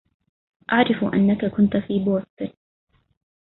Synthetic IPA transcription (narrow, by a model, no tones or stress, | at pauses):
ʔaʕɾɪfʔa̰nːakakʊnt̪fiːboːst̪ɪn